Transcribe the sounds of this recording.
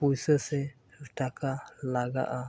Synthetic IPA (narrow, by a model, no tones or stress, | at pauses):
pujsəsɛ | ʈakalaɡa̰ʔa